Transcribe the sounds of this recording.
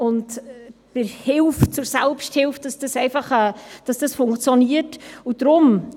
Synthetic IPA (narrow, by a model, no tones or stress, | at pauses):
ʊntb̥ɪɾhɪlft͡sʊɾsɛlpʃthɪlft̚d̥ɑsd̥ɑsɛɪfɑχɛːd̥ɑsd̥ɑsfʊŋkt͡sjɔniəɾtud̥ɾʊm